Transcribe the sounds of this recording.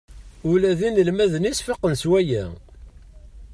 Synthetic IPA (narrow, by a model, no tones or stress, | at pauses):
ʊlæðinəlmæðənisfɑqːənswæjæ